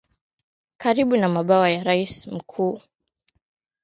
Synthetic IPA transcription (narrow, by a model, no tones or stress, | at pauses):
kaɾiɓunamaɓawajaɾaism̩kʰuː